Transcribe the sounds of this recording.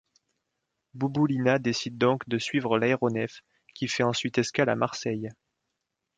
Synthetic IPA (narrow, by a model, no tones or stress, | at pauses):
bubulinad̪esid̪̚ːɔ̃kd̪əsɥivʁəlaeʁɔnɛf | kʲifɛɑ̃sɥit̪ɛskala̰maʁsɛj